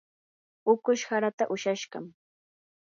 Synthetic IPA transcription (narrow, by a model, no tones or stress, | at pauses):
ʊkʊʃhaɾat̪aʔʊʃaʃɢɑ̰m